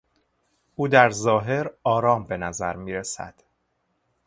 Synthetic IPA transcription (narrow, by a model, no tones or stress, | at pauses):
ʔuːd̪æɾzɒːɦe̞ɾɒːɾɒːmbe̞næzæɾmiːɾesæ̰d̪̥